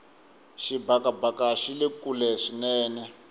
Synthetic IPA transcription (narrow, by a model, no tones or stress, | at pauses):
ʃibakabakaʃilekulɛʂinɛːnɛ